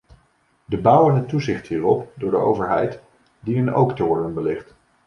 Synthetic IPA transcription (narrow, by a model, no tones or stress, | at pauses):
dəbʌwənɦətːuzɪχtɦiːrɔpdʊːɹdəo̰wvəɹɦɛjt | dinəno̰wktəʋɔɹdənbəlɪχt